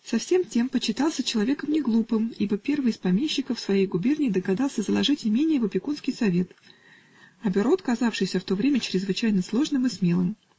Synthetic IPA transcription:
sɐfsʲe̞mtʲe̞mpət͡ɕːɪt̪ɑlˠsʲət͡ɕɪlˠɐvʲe̞kəmnʲɪɡlˠupɨmibəpʲe̞rvɨjɪspɐmʲeɕːɪkəfsvɐjejɡʊbʲernʲɪːd̪əɡɐd̪ɑlˠsʲəzəlˠɐʐɨtʲnʲɪmʲenʲɪjəvəpʲɪkunskʲɪjsɐvʲe̞t̪ | ɐbʲɪɾo̞t̪kɐzafʂɨjsʲəft̪o̞vɾʲemʲət͡ɕɪɾʲɪzvɨt͡ɕæjnəslˠo̞ʐnɨmɨsmʲe̞lˠɨm

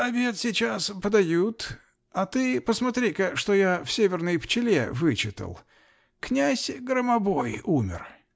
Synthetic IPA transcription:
ɐbʲe̞t̪sʲɪt͡ɕaspəd̪ɐjut̪ | ɐt̪ɨpəsmɐt̪ɾʲikəʂt̪ojafsʲevʲɪrnəjpt͡ɕɪlʲḛvɨt͡ɕɪt̪ə̰lˠ | knʲæsʲɡɾəmɐbo̞jumʲɪ̰r

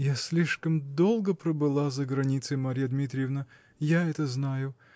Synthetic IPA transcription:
jasʲlʲiʂkəmd̪o̞lˠɡəpɾəbɨlˠazəɡɾɐnʲit̪sɨmɐɾʲijəd̪mʲit̪̬ɾʲɪjəvnə | jaɛt̪əznajʊ

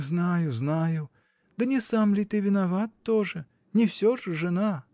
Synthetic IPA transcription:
znajʊznajʊ | d̪̥ɐnʲɛsamlʲit̪ɨvʲɪnavat̪ːɔʐɨ | nʲɪwsʲɔʐɨʐɨna

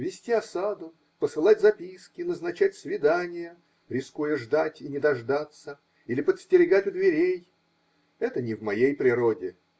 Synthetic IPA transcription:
vʲɪsʲtʲiɐsad̪ʊ | pəsɨlˠatʲzɐpʲiskʲɪnəznɐt͡ɕæt̚ʲsvʲɪd̪anʲɪjə | ɾʲɪskujəʐd̪atʲɪnʲɪd̪ɐʐd̪at̪sə | ilʲɪpət̪sʲtʲɪɾʲɪɡatʲʊd̪vʲɪɾʲej | ɛt̪ənʲɪvmɐjejpɾʲɪɾodʲɪ

